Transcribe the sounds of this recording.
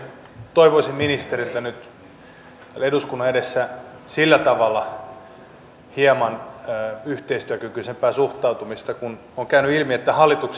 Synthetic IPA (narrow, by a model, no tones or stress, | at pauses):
t̪oiʋoisimminist̪erilt̪ænyt̪ | eduskunːɑeɾesːæ | silːæt̪ɑʋɑlːɑ | hiemɑnː | yht̪eist̪yækykysempæːsuht̪ɑut̪umist̪ɑkun | oŋkæynyilmiet̪ːæhɑlːˑit̪uks